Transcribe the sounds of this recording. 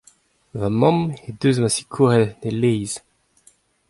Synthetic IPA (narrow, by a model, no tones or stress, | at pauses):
vamɔ̃med̪øːzmasi̥kʰuʁɛdnelejz̥